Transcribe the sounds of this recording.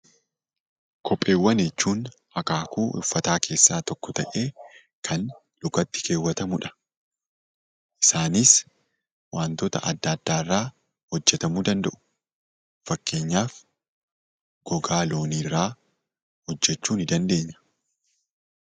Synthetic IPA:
kʰɔpʼːe̞ːwːɐnet͡ʃːuːn | hɐkaːkuːʔʊ̰fːɐt̪aːkʰe̞ːsːaːt̪ɔkːɔt̪ɐʔe̞ː | kʰɐn | lʊkɐt̪ːɪ̥kʰe̞ːwːɐt̪ɐmʊᶑɐ̥ | ʔɪsaːniːs | waːnt̪ɔt̪ɐ̰ʔɐd̪ːaːd̪ːaːɪrːaː | hɔd͡ʒːɛt̪ɐmuːd̪ɐnd̪ɐʔʊ̥ | fɐkːe̞ːɲːaːf | ɡ̥ɔɡaːlo̞ːniːrːaː | hɔd͡ʒːɛt͡ʃːuːnɪd̪ɐnd̪e̞ːɲːɐ̥

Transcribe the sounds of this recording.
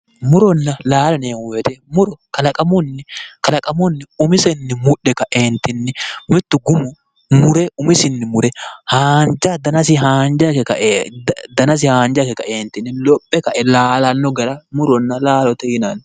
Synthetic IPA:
mʊɾɔnːɐlaːlɐneːŋwɛt̪ɛmʊɾɔkɐlɐkʼɐmɔnːɪkɐlɐkʼɐmɔnːɪʊmɪsɛnːɪmʊᶑːɛkɐʔeːnt̪ɪnːɪmɪt̪ːʊɡʊmʊ | mʊɾɛʔʊmɪsɪnːɪmʊɾɛhaːnd͡ʒad̪ɐnɐs̬ɪɦaːnd͡ʒakɛkɐʔd̪ɐnɐs̬ɪhaːnd͡ʒakɛkɐʔeːnt̪ɪnːɪlɔpʼːɛkɐʔɛlaːlɐnːɔɡɐɾɐmʊɾɔnːɐlaːlɔt̪ɛjɪnaːn

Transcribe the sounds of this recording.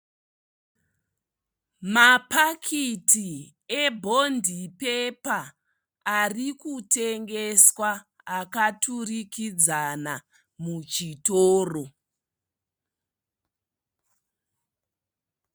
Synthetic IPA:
mapakʰiti | ebʱo̞ndʱipe̞paː | rikute̞ŋɡeswaː | katurikid͡zana | mut͡ʃitoːro

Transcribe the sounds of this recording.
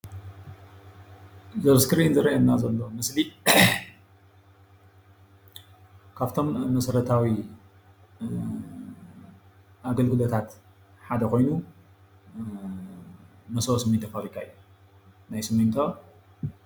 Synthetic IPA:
zɐβskʰɨɾiɨnzɨɾɐʔannːazɐlːo̞mɨsli | kʰaβt̪ʰo̞mːɐsɐɾɐt̪ʰawi | ʔaɡɐlɡɨlot̪ʰat̪ | ħad̪ɐko̞jnu | mɐsoosɨmɨnt̪ʰɐfaɾikʰaɨjːu | najsɨmːɨnt̪ʰo

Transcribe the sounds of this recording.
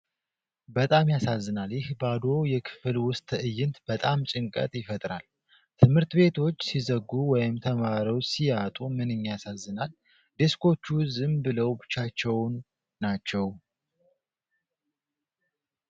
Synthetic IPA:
bət̪ʼamjasazːɨnaljɪhbad̪o̞jɛkʰɨ̥fɨlwʊst̪ʰʼʔɨjːɪnt̪b̥ət̪ʼamt͡ʃʼɪŋkʼə̰t̪ʼjɪfət̪ʼɾa̰l | t̪ʰɨmhɨɾt̪be̞t̪ʰo̞t͡ʃːsizəɡːuwɔjɪmt̪ʰəmaɾiwsijat̪ʼumɨnɨɲːjasazːɨnal | d̪eskʰo̞t͡ʃːuzɨmbɨləwbɨt͡ʃːat͡ʃːɛwnː | at͡ʃːɛw

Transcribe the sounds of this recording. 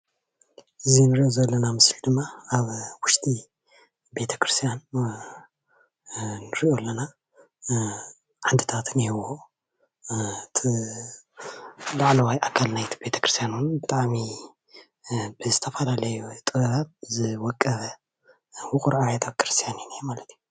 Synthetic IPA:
ʔɨzinɨɾiʔo̞zɐlːɐnamɨsld̪ɨmːaaβwʊʃt̪ʼi | be̞t̪ʰɐ̥kɾɨst̪ʰijan | nɨɾiʔo̞lːɐna | ħand̪ɨt̪ʰat̪nihɨwo | t̪ʰ | laʕlɐwajʔakʰːalnajt̪ʰi̥be̞t̪ʰɐ̥kʰɾɨst̪ʰjanuwnbɨt̪ʼaʕmi | bɨzɨt̪ʰɐfɐlalɐjut̪ʼɨβɐβat̪̚zɨwɔkʼːɐβɐ | wʊkʼuɾajat̪ʰakʰɾɨst̪ʰijaninijmalɐt̪ʰiju

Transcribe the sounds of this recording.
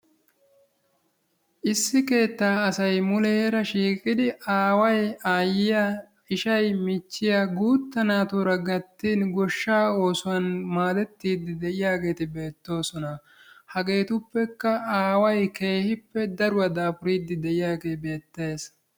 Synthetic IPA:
ʔɪsːɪke̞ːt̪ːaːɐsɐjmʊlɛhɾɐʃiːkʼɪd̪ɪʔaːwɐjaːjɪja | ɪʃɐjmɪt͡ʃːɪjaɡuːt̪ːɐnaːt̪uɾɐɡɐt̪ːiːnɡɔʃːaːo̞ːsʊwɐnmaːd̪ɛt̪ːiːd̪ːɪd̪ɛʔɪjaːɡe̞ːt̪ɪbe̞ːt̪ːo̞ːsɔnɐ | hɐɡe̞ːt̪ʊpːɛkːɐaːwɐjke̞ːhɪpːɛd̪ɐɾʊwɐd̪aːfʊɾiːd̪ːɪd̪ɛʔɪjaːɡe̞ːbe̞ːt̪ːe̞ːs

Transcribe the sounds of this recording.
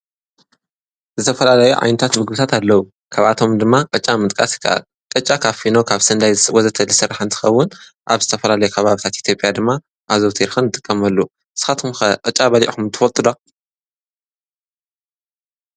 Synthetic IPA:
zɨt̪ʰɐfɐlalɐjuʕa̰jnɐt̪ʰat̪mɨɡɨbɨt̪ʰat̪alːɐwu | kʰaβat̪ʰo̞md̪ɨmːakʼɨt͡ʃʼːamɨt̪ʼkʼa̰sjɪ̥kʰːa̰ʔa̰l | kʼɨt͡ʃʼːakʰaβfinokʰaβsɐnd̪ajswɔzɐt̪ʰɐlɨsɨraħɨnt̪ʰɨ̥xɐwːʊn | ʔaβzɨt̪ʰɐfɐlalɐjukʰɐβaβit̪ʰat̪ʔit̪ʰjo̞pʼjad̪ɨmːa | ʔazoβt̪ʰiɾxɨnɨt̪ʼɨkʼːɐmɐlːu | ʔɨsɨ̥xat̪ʰmxɐqʼɨt͡ʃʼabɐlḭʔxumnt̪ʰɨ̥fɐlt̪ʼɨd̪a

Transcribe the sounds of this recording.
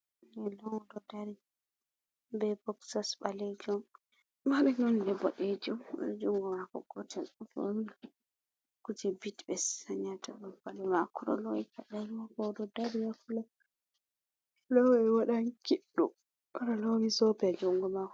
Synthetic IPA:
ɛlɔwɔdɔdaɾi | bɛbɔksasbalɛd͡ʒɔm | maɾɛnɔndɛbɔɗed͡ʒumɔd͡ʒuŋɡɔmakɔ̰ɡɔtɛlufɔ̰n | kud͡ʒɛbitbɛsaɲatabɔbalɔmakɔɾɔ̰lɔɛkalalwakɔdɔdaɾijakula | lɔwɛwaɗaŋkiɗːu | analɔmisɔpɛad͡ʒuŋɡɔmakɔ

